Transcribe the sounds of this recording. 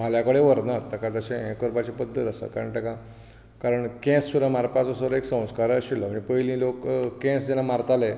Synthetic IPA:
m̤aljakəɽeʋəɾnat̪ːəkat̪əɕẽẽkəɾbat͡ɕepəd̪ʱːət̪əsa̰kaɾəɳʈ̪əkã | kaɾəɳkɛ̃ssuɾəmaɾpat͡sɔsəɾeksə̃w̃skaɾəɕilɔɦənipəjlĩːlokːɛ̃sd͡ʑɛnamaɾt̪ale

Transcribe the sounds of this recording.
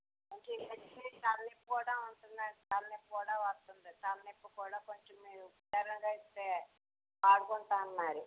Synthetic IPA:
ɐkipɐit̪ɐlːepːukuːɽaːuɳʈunaːɾit̪ɐlːepːkuːɽaːʋɐst̪und̪it̪ɐlːepːukuːɽaːkoɲt͡ʃemːiːɾuupɐaːɾɐŋɡaːist̪eː | paːɽukɔɳʈaːnːaːɾi

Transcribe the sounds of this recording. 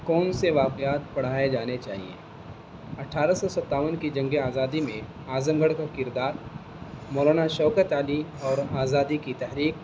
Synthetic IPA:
kɔːnseʋaːqjaːt̪̚pɐɽ̤aːed͡ʒaːnet͡ʃa̰ːɦḭḛː | ɐʈʰaːɾasɔsɐt̪ːaːʋənkid͡ʒɐ̃ŋɡeaːzaːd̪imẽ | aːzəmɡəɽkakɪɾd̪aːɾ | mɔːlaːnaʃɔːkət̪aːliɔːɾaːzaːd̪ikit̪ɛɦɾiːk̚

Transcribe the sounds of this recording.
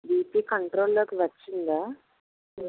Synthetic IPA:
biːpiːkɐɳʈɾoːlloːkiʋɐt͡ʃːind̪aː

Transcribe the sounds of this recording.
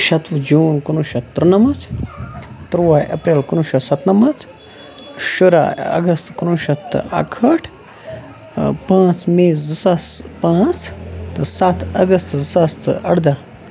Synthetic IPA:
ʃɐt̪ʋɨd͡ʒuːnkunuʃɐt̪ːɾnɐmɐt̪ | t̪ɾʋaːjɐ̰pɾeːlkunuʃɐsɐt̪nɐmɐt̪ʰ | ʃuɾa̰ɐ̰ɡɐst̪kunuʃɐt̪ːɨ̰ɐ̰kʰɐʈʰ | pãːt͡smeːzɨsaspãːt͡st̪ɨsat̪ʰɐɡɐst̪zɨsast̪ɨɐ̰ɽd̪a

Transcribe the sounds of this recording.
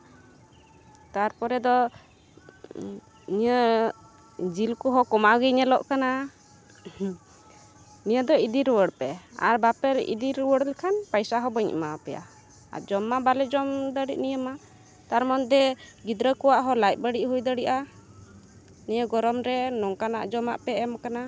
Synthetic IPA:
t̪aɾpɔɾɛd̪ɔ | niə | d͡ʒilkɔɦɔkɔmaɡiɲɛlɔʔkana | nijəd̪ɔid̪iɾwəɽpɛa̰ɾbapɛɾḭd̪iɾwəɽlɛkʰanpajsaɦɔbəɲ̰mapɛja̰ | a̰d͡ʒɔmːabalɛd͡ʒɔmd̪əɽiʔ̚nijəma | t̪aɾmɔnd̪ɛɡid̪ɾəkɔwaʔɦɔlajt̪̚bəɽiʔɦujd̪əɽiʔa | nijəɡɔɾɔmɾɛnɔŋkana̰ʔd͡ʒɔmaʔpɛɛmkana

